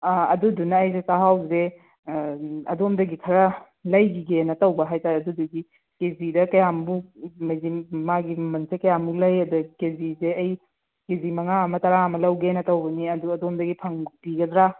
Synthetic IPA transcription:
ɐ̰dudunɐːjsesaɦawze | ɐ̰domdɐɡikʰɐɾɐ | lɐjɡiɡenɐtɐwbɐɦajtaɾeɐduduɡi | kezidɐkɐjambumɐjzimaɡimɐnsekɐjambulɐjɐdukezizeɐj | kezimɐŋaɐmɐtɐɾaɐmɐlɐwɡenɐtɐwbɐniɐduɐdomdɐɡipʰɐŋbiɡɐdɾa

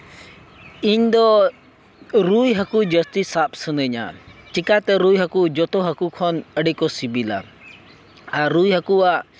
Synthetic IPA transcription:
iɲd̪ɔ | ɾujɦəkud͡ʒəst̪isap̚sənəɲa̰t͡ʃikat̪ɛɾujɦəkud͡ʒɔt̪ɔɦəkukʰɔnəɖikɔsibila̰ | aɾujɦəkuaʔ

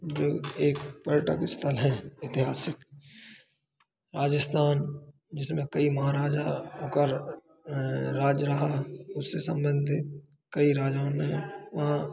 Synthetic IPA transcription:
d͡ʒoːeːkpəɾɪʈə̰kɪst̪ʰəlɦɛ̃ɪt̪ɪɦaːsɪk | ɾaːd͡ʒəst̪ʰaːn | d͡ʒɪsmẽkəimɐɦaɾaːd͡ʒãkəɾ | ɾaːd͡ʒɾɐɦaʊsːesə̃mbə̃nd̪ʱɪt̪̚ | kəiɾaːd͡ʒaːnẽʋɐɦã

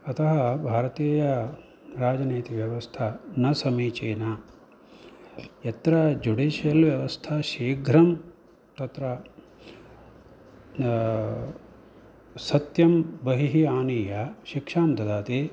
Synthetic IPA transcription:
ɐt̪ʰɐɦɐbʱaːɾɐt̪iːjɐ | ɾaːd͡ʒɐneːt̪iʋjɐʋɐst̪ʰɐnɐsɐmiːt͡ʃeːna | et̪ɾɐd͡ʒuɖiːʃjɐlʋjɐʋɐst̪ʰɐʃiːɡʱɾɐm | t̪ɐt̪ɾɐ | sɐt̪jɐmbɐɦiɦiaːniːjɐʃikʂaːmd̪ɐd̪aːt̪e

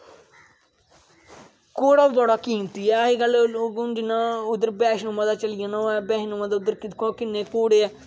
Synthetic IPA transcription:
koːɽaːbt̪oːɽaːkiːmt̪iːɛːəɦiːɡəlɡʊnd͡ʒɪnãːʊd̪əɾbɛːʃnoːmãːd̪aːt͡ʃəlɪjãːnãːɛːbɛ̃ːɦnõːmãːd̪aːʊd̪əɾkɪkõːkɪnːeːkoːɽeːɛː

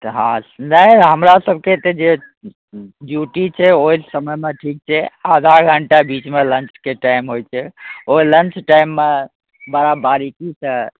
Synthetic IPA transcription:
t̪ɦãsnəiɦəmɾasəb̚ʱket̪ɔd͡ʒe | ɖjuʈit͡ʃʰɛoɦisəməjmeʈʰik̚t͡ʃʰɛad̪ʱaɡʱəɳʈabit͡ʃmelənt͡ʃkeʈajmɦojt͡ʃʰɛoilə̃nt͡ʃʈajmːe | baɾabaɾikisə̃

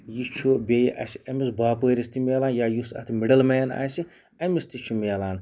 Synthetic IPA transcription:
jit͡ʃʰubʲejḭʔɐ̰siɐmisbaːpəːɾist̪imʲeːlaːnjaːjusɐ̰t̪ʰimiɖɐlmɐjɐna̰ːsi | ɐmist̪it͡ʃʰumeːlaːn

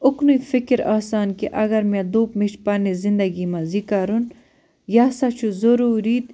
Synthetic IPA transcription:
ʊknuifɪkɾaːsaːnkeʔɐɡɐɾmɛ̃d̪uːpmiʃpɐnezɪnd̪ɐɡimãzikaɾun | jaːsat͡ʃʰuzɐɾuːɾiːt̪

